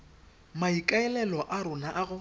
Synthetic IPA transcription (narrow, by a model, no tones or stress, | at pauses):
maikʼaɛlɛlɔʔaɾʊnaʔaɣʊ